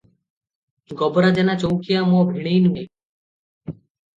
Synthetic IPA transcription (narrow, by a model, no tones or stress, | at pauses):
ɡɔboɾad͡ʑɛnat͡ɕowkijamɔbʱeɽejnume